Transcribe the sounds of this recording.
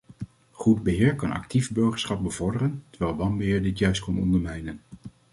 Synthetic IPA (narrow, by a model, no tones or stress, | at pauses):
χudbəɦɪːɹkɑnɑ̰k̚tivbɵɹχəɹsχɑb̚bəv̥ɔɹdərəntəɹʋɛlˠʋɑmbəɦɪːɹdɪtjœɥst̚kɔnɔ̰ndəɹmɛjnən